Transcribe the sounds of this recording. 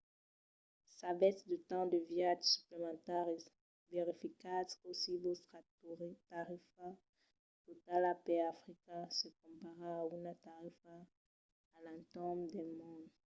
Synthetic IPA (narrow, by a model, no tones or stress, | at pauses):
sabɛsd̪ət̪ɑ̃d̪əvjad̪sy̥plemɑ̃t̪ɛʁe | veʁifikasosibosatʁt̪aʁifa | t̪ot̪alapɛafʁikɛ̃səkɔ̃paʁãaunat̪aʁifaː | lɛ̃t̪ɔ̃md̪ɛmɔ̃d̪